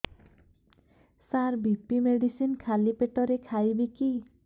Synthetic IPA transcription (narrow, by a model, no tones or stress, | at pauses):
saɾbipimeɽisinkʰalipeʈɔɾekʰajbiki